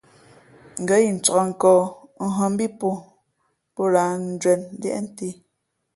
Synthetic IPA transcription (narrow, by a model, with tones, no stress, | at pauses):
ŋ̩˨ɡə˦ji˨n̩˨t͡sɔ˨a˨ŋ̩˨kɔː˨˦ŋ̩˦ɦɔ˨m˦bi˦po˦ | pɔ˦la˨˦n̩˦d͡ʒwɛ˨n˦ljɛ̰˦ʔn̩˦te˦